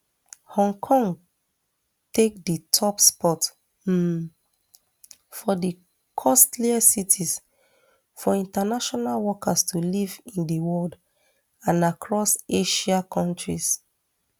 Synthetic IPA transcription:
hɔ̃ŋkʰɔ̃ŋɡ | tek̚ditʰɔpspɔt | fɔdi | kʰɔstliasitʰis | fɔĩntanaʃɔnalwɔkastʰulivĩndiwɔld | ãnakʰɹɔseʃakʰɔ̃ntɹis

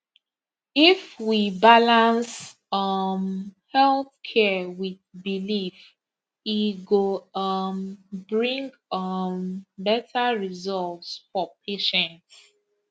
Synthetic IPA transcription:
ifwibalãns | ʌmhɛlθkʰɛwiðbilif | iɡoʌmbɹĩŋɡ | ʌmbɛtʰaɹizɔltsfɔp̚ʰeʃɛ̃nt

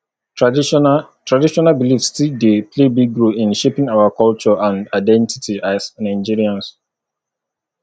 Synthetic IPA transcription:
tɹadiʃɔnabilifstildepʰlebiɡɹoĩnʃepĩŋawakɔlt͡ʃɔʔãndaɪdɛ̃nti̥tʰiʔasnãɪd͡ʒiɹiãns

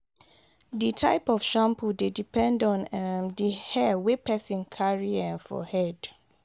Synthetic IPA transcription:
ditʰa̰ɪpɔfʃãmpʰudedipʰɛ̃ndɔ̃ndihɛwepʰɛsĩnkʰaɹiɛ̃nfɔ̰hɛd̥

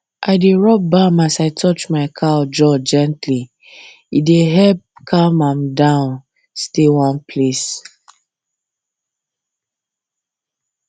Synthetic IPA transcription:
ʔaɪdeɹɔp̚bamasaɪtʰɔt͡ʃmaɪkʰaɔd͡ʒɔd͡ʒɛ̃ntʰli | ideɦɛlp̚kʰamãmdãʊ̃n | stewɔ̃npʰles

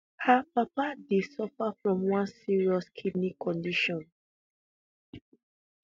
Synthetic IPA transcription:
hapapadesɔfafɹɔ̃mwãnsiɹiɔskʰibnikʰːɔ̃ndiʃɔ̃n

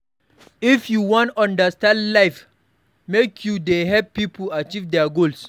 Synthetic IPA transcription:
ifjuwɔ̃ntãndəstãndlaɪf | mekʰjudeɦɛppːipʰəat͡ʃivdɛaɡols

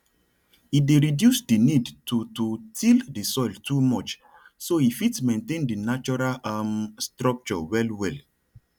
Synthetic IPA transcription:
ideɹidjusdinidtʰututʰildisɔɪltʰumɔt͡ʃ | soifitsmẽntẽndinat͡ʃɔɹalamstɹɔk̚t͡ʃɔwɛlwɛl

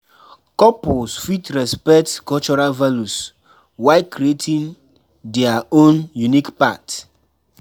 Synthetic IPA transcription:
kɔpɔsfitɾɛspɛk̚tkɔlt͡ʃɔɾalvalus | waɪkɾietʰĩn | dɛaõnjunikpat

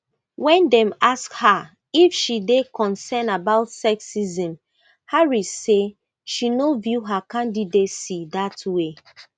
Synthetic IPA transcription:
wɛ̃ndɛ̃maskha | ifʃidekɔ̃nsɛnabaʊtsɛksizĩm | haɹise | ʃinovjuɦakãndidetsidatwe

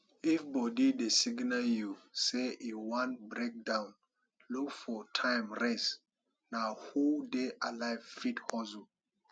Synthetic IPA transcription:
ifbɔdidesiɡnajuseiwãntbɾek̚dãʊ̃n | lukfɔtʰãɪmɹɛs | nahudeʔalaɪvfithɔzu

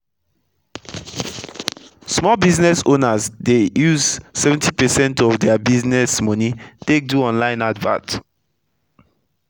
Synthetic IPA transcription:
smɔlbiznɛsonazdejuzsɛvɛ̃ntʰipəsɛ̃ntɔvdɛabiznɛsmɔnitek̚duɔ̃nlãɪ̃nadvã̰t

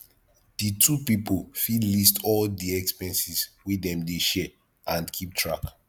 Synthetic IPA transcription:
ditʰupipolfidlistʰɔldiɛkspɛ̃nsiswidɛ̃mdeʃɛ | ʔãndkʰip̚tʰɹak

